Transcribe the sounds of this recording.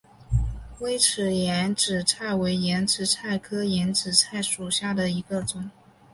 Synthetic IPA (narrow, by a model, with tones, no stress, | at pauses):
we˥ɪʈ͡ʂʰɻ̩˨˩jɛ˧˥nʈ͡ʂɻ̩˨˩t͡sʰa˥˩ɪwe˧˥ɪjɛ˧˥nʈ͡ʂɻ̩˧˥t͡sʰa˥˩ɪkʰɤ˥jɛ˧˥nʈ͡ʂɻ̩˨˩t͡sʰa˥˩ɪʂu˨˩ɕja˥˩d̪ə˩i˧˥ɡə˧ʈ͡ʂʊ˨˩˦ŋ